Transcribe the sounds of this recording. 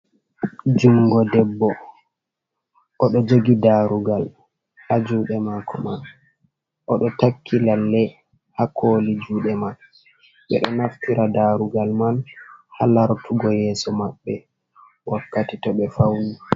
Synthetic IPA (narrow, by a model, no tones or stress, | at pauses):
d͡ʒuŋɡɔdɛbːɔ | ʔɔɗɔd͡ʒoɡidaɾuɡal | had͡ʒuːɗɛmaːkʰɔman | ʔɔɗɔtakʰːilalːɛ | hakʰoːlid͡ʒuːɗɛman | ɓɛ̰ɗɔnaftiɾadaɾuɡalmanhalaɾtʰuɡɔjɛːsɔmaɓːɛ | wʔakːatitɔɓɛfawni